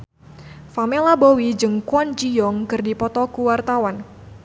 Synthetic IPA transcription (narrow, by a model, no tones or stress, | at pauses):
famɛlabowid͡ʒɨŋkwand͡ʒijɔŋkɨrdipɔt̪ɔkuwart̪awan